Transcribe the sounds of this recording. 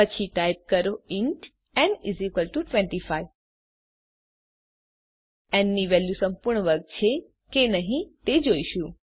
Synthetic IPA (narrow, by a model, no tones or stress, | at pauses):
pət͡ʃʰiʈajp̚kəɾoɪɳʈ | ɛ̃nizikəlʈuʈʋɛ̃ɳʈifaj | ɛnːiʋɛljusəmpuɾɳəʋəɾɡ̚t͡ʃʰe | kenəɦĩt̪ed͡ʒoiʃũ